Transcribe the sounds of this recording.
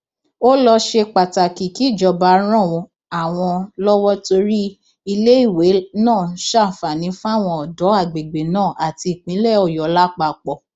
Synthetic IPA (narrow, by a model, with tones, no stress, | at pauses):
o˦lɔ˧ʃe˧k͡pa˨ta˨ki˨ki˨˦˨d͡ʒɔ˨˧ba˧ɾ̃ã˦˨wɔ˧ | a˨w̃ɔ̃˧lɔ˦wɔ˦to˧ɾi˦ | i˧le˦i˦˨we˨˦nãː˦˨˦ʃa˦˨fa˨nĩ˨˦fa˦˨w̃ɔ̃˧ɔ˨dɔ˨˦a˦˨ɡ͡be˨ɡ͡be˨nãː˦˨ʔa˨ti˧i˨k͡pĩ˨˦lɛ˦˨ɔ˨jɔ˨˦la˦k͡pa˧˨k͡pɔ˦˨